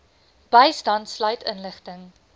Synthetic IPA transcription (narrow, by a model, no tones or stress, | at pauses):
b̥əjstɐntslœɥtʰənləχtəŋ